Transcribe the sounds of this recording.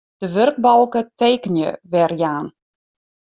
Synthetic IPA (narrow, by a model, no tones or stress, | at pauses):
d̥əʋørk̚bɔlˠkəteːkənjə̰ʋɛrjaːn